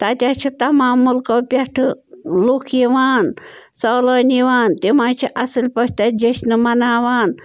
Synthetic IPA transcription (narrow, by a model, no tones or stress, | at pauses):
t̪at̪ʲaːt͡ʃʰit̪ɐmaːmːulkɐpʲɐʈʰɨluːkʰiʋaːnsɐːlɐːniʋaːnt̪imaːt͡ʃʰiʔɐsɨlʲpɐʃʲt̪ad͡ʒɐʃnɨmɐnaːʋaːn